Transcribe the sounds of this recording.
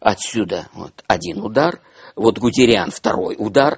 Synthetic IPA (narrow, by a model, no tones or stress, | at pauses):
ɐt̪sʲud̪əvo̰t̪ɐdʲinʊd̪ar | vo̞t̪ɡʊtʲɪɾʲɪanft̪ɐɾo̞̰jʊd̪ar